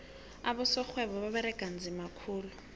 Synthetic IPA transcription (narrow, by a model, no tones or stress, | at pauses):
abʊsɔk͡xʰwɛβɔbabɛɾɛkʼan̩d͡zɪmakʰuːlʊ